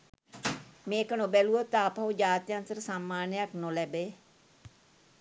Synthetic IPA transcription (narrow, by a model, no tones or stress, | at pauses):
meːkənõːbɛːluot̪aːpaud͡ʒaːt̪jãnt̪əɾsaːmːaːnɪjaknoːlɛːbeː